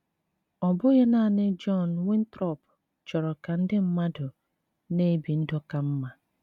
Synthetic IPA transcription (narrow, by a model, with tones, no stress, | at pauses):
ɔ˨bʊ˦ɣe˦na˦˨nɪ˦d͡ʒɔ˦˨nwɪ˦n̩˦tɾɔ˦˨p | t͡ʃɔ˨ɾɔ˨ka˨n̩˦dɪ˦m̩˦ma˦dʊ˨ | ne˦˨bi˨n̩˦dɔ˦ka˨m̩˦ma˨